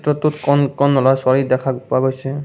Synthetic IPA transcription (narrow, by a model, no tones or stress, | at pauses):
tɹɔt̪utkɔnkɔnːɔlasɔɹidɛkʰapʊaɡojsɛ